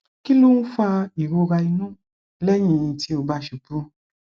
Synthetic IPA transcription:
ki˦lu˦n̩˦fa˧i˨ɾo˧ɾa˧i˧nũ˦˨ | lɛ˦j̃ĩ˧˨ĩ˧ti˦o˧ba˧˦ʃu˨pu˦

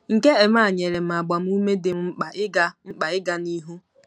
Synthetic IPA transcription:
ŋ̩˨ke˦e˨m˦a˦˨ɲe˨ɾe˨m̩˨a˨ɡ͡ba˨m̩˦u˦me˦dɪ˨˦k͡pa˨ɪ˦ɡa˦ŋ͡m̩˦k͡pa˨ɪ˦ɡa˨ni˦ɦu˦

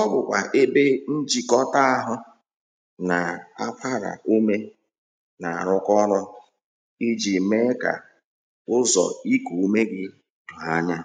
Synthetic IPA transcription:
ɔ˦bʊ˨kʷa˨ʔe˦be˦n̩˦d͡ʒi˦kɔ˦ta˦a˦ɦʊ˦ | na˨a̰˦fa˦ɾa̰˨ʔu˦me˦ | na˨a˨ɾʊ˦kɔ˦ɾɔ˦ | i˦d͡ʒi˨me˦ka̰˨ | ʊ˦zɔ̰˨i˦ku˨u˦me˦ɡɪ˦ | dʊ˨a˦ɲa˦

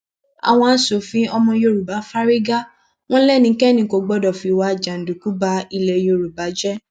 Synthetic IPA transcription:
a̰˨w̃ɔ̃˧˦so˨˦˨fĩ˦ɔ˧mɔ̃˧jo˧ɾu˨ba˨˦fa˦ɾi˦ɡa˦ | w̃ɔ̃˦lɛ˦˨nĩ˧˦kɛ˦˨nĩ˧˦˨ko˨˧˦ɡ͡bɔ˦dɔ˨fi˧wa˧˦˨d͡ʒã˨n̩˨du˨ku˨˦ba˦i˧lɛ˧jo˧ɾu˨ba˨˦d͡ʒɛ˦

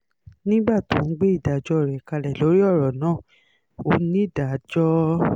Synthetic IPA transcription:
nĩ˦ɡ͡ba˦˨tũ˨˦ɡ͡be˦i˦˨da˨d͡ʒɔ˧˦ɾɛ˨ka˧lɛ˨lo˨˦ɾi˦ɔ˦˨ɾɔ˨nãː˨˦˨ | o˨˦nĩ˦˨da˨d͡ʒɔ˦

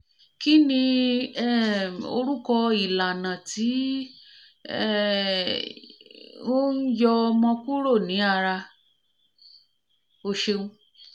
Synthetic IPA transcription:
ki˦nĩ˧ɛ˦˨o̰˧ɾu˦kɔ˧i˨la˨nã˨ti˨˦ | ɛ˦ | wo˦n̩˦jɔ˧mɔ̃˧ku˦ɾo˦˨nĩ˨˦a˦˧ɾa˧ | o˧ʃe˧ũ˧

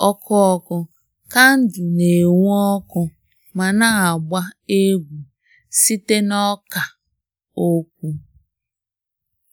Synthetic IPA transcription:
ɔ˦kʰɔ˦ɔ˨kɔ˨ | ka˦n̩˦dʊ˨ne˨ŋu˦ɔ˦kɔ˨ | ma˨na˦a˨ɡ͡ba˦e˦ɡʷu˨ | si˦te˦nɔ˦ka˨ | o˦k̚ʷu˦

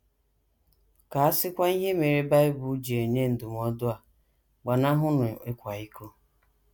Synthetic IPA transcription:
ka˨a˦sɪ˦kʷa˦i˦ɦe˦me˨ɾe˦ba˦ɪ˦bu˨˦d͡ʒi˨e˨ɲe˦n̩˨dʊ˨m˨˦ɔ˦dʊ˦a˨ | ɡ͡ba˨na˦ɦʊ˦nʊ˨ɪ˦kʷa˨i˦kʰo˦

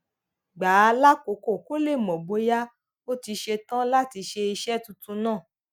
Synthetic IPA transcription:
ɡ͡ba˨˦˧la˦ko˨˦ko˦˨ko˦le˦˨mɔ̃˨ɡ͡bo˨˦ja˦ | o˦ti˧ʃe˧tã˦la˦ti˧ʃe˧i˧ʃɛ˦tu˧tũ˧nãː˦˨

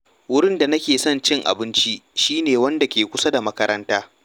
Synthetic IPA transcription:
wʊ˦ɽɪ˦nda˨nɐ˦kʲeː˨sɔ˦nt͡ʃɪ˦ŋʔa̰˨bɪ˦nt͡ʃi˦ʃiː˦neː˨wɐ˦nda˨kʲeː˨kʷʊ˦sa˦da˨mɐ˦kɐ˦ɾɐ˦ntaː˦

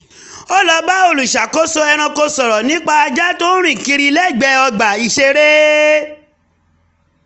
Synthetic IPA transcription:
o˦lɔ˧ba˦o˧˨lu˨ʃa˨ko˦so˧ɛ˧ɾ̃ã˧ko˧sɔ˨ɾɔ˨nĩ˦k͡pa˧a˧d͡ʒa˦to˦ɾ̃ĩ˦˨ki˧ɾi˧lɛ˦˨ɡ͡bɛ˧˦ɔ˧ɡ͡ba˨i˧˨ʃe˧ɾe˦

